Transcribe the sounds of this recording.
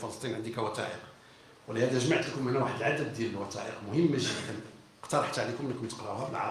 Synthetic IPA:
fələst̪ˤinʕənd̪ikæwæt̪æ̰ʔəq | wəlihæd̪æʒmaʕt̪ləkʊmnæwaħəd̪əlʕad̪əd̪ːjæləlwɑt̪æ̰ʔəqmʊhəmːæʒədæn | qt̪ɑɾˤɑħt̪ʕalikʊmnːəkʊmt̪əqɾˤɑhæbəlʕɑ̰

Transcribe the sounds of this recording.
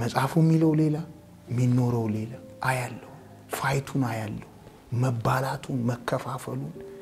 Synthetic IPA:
məsʼafumːiləwle̞la | mːinːo̞ɾəwle̞laʔajalːəhu | fajt̪ʰunajalːəhu | məbːalat̪ʰunməkʰːəfafəlun

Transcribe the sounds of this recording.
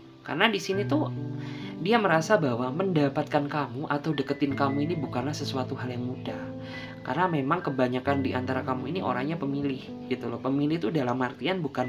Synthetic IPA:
ka̰rnadisinit̪u | diaməɾasabawaməndapat̪̚kankamuʔat̪awdəkət̪ɪnkamuinibukanlahsəsuat̪uɦaljaŋmudah | karnamemaŋkəbaɲakandiʔant̪aɾakamuiniʔo̰ɾaŋɲapəmilɪh | ɡ̥it̪ulɔpəmilɪht̪udalamhart̪ianbukan

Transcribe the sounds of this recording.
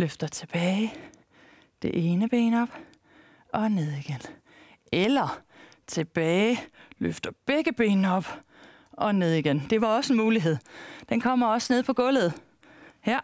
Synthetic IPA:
løfd̥ɐt͡sʰe̝b̥ɛːɪ | d̥e̝ʔeːnəb̥ḛːnɒ̽b̥ | ʔɒ̽ne̝ð̞̰ˠiɡ̥en | elɐ | t͡sʰe̝b̥ɛːløfd̥ɐb̥eɡ̥əb̥e̝̰ːnɒ̽b̥ | ʔɒ̽ne̝ð̞̰ˠiɡ̥end̥e̝ʋɑ̈ɒ̽səenmuːliɦe̝ð̞̰ˠd̥enkʰɒ̽m̰ɐɒ̽səne̝ðˠpʰɒ̽ɡ̥ɔ̽lð̩ˠ | hæɐ̰

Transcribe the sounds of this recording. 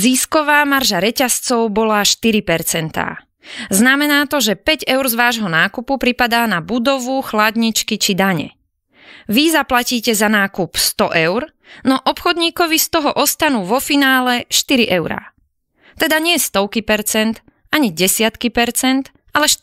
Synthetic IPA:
ziːskɔʋaːmaɾʒaɾɛcast͡sɔʊbɔlaʃt̪iɾipɛɾt͡sɛnt̪a̰ː | znamɛnaːt̪ɔʒɛpɛɟɛʊɾzʋaːʒɦɔnaːkupupɾipad̪aːnabud̪ɔʋuxlad̪ɲit͡ʃkit͡ʃid̪aɲɛ̰ | ʋizaplaciːcɛzanaːkupst̪ɔʔɛʊɾ | nɔʔɔpxɔd̪ɲiːkɔʋist̪ɔɦɔʔɔst̪anuːʋɔfinaːlɛʃt̪iɾiʔɛʊɾa̰ | t̪ɛd̪aɲɪɛst̪ɔʊkipɛɾt͡sɛnt̪ | aɲiɟɛsɪat̪kipɛɾt͡sɛnt̪ | ʔalɛʃ

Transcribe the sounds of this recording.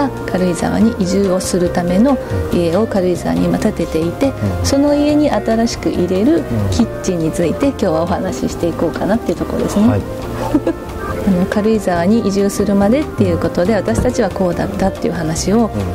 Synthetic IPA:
akʰaɾɯ̟iza̰βa̰ɲ̟iʔiʑɨːo̞sɨɾɯ̟t̪ame̞no̞ie̞o̞kaɾɯ̟iza̰βa̰ɲ̟imat̪at̪e̞t̪e̞it̪e̞so̞no̞ie̞ɲ̟iʔat̪aɾaɕi̥kɯ̟̰ʔiɾe̞ɾɯ̟kʲit͡ɕiɲ̟it͡sɨit̪e̞kʲo̞ːβao̞hanaɕḭɕi̥t̪e̞iko̞ːkanat̪ːeiɯ̟t̪o̞ko̞ɾo̰d̪e̞sɨne | ano̞kaɾɯ̟izaβaɲ̟iʔiʑɨːsɨɾɯ̟mad̪e̞t̪ːe̞jɯ̟ko̞t̪o̞d̪e̞at̪aɕi̥t̪at͡ɕiβako̞ːd̪ad̪̥at̪ːeiɯ̟ɦanaɕio̞

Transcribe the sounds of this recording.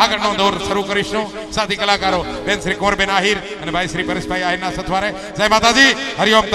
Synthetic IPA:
aːɡəɾnõd̪oːɾʃəɾukəɾiʃũ | saːd̪ʱikəlaːkaːɾobenʃɾiːkõːɾbenaːɦiɾ | ənebʱaːjʃɾipəɾɪsbʱaiaːɦiɾnasət̪ʰʋaːɾe | zajmaːt̪ad͡ʒiɦəɾijomt̪

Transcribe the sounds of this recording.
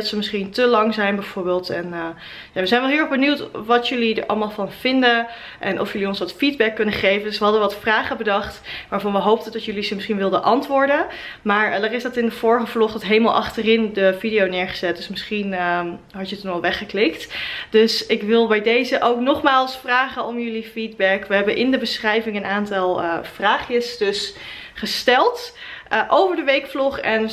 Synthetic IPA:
ɑtsəmɪsχintəlɑŋzɛjnbɛjv̥oːɹbɪːlˠtɛnə | jaːʋəzɛjnʋɛlˠɦiːɹɛχbənywtʋɑtjɵlidəɹʔɑ̰lˠmaːlˠvɑnv̥ɪndə | ʔɛ̰nʔɔ̰fjəliɔnsʋɑtfid̚bɛkːɵnəχejvəndɵsʋəɦɑdəʋɑtfraːχəbədɑχtʋaːɹvɑnʋəɦowp̚tədɑtjɵlizəmɪsχinʋɪlˠdənʔɑntʋʊːɹdən | maːɹdaːrɪsdɑtɪndəv̥ʊːɹəχəvlɔχdɑtɦejməlˠʔɑ̰χtərɪndəvidijownɪːɹχə̥zɛt̚d̥ɵsməsχinɦɑtjətunɑlˠʋɛχəklɪktd̥øsɪkʋɪlˠbɛjdejzəʔowknɔχmaːlˠsfraːχənɔmjɵlifid̚bɛkʋəɦɛbənʔɪndəbəsχrɛjvɪŋənaːntɑlˠəvraːχjəsdɵs | χəstɛlˠtʔowvəɹdəʋejkflɔχɛn

